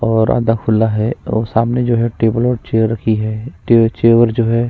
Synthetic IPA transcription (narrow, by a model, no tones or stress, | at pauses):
ɔːɾa̰ːd̪akʰʊlːaɦɛo̰ːsaːmned͡ʒoːɦɛʈeːbəlɔːʈt͡ʃeːəɾːɐkʰiɦɛːʈet͡ʃeːʋəɾd͡ʒoːɦɛ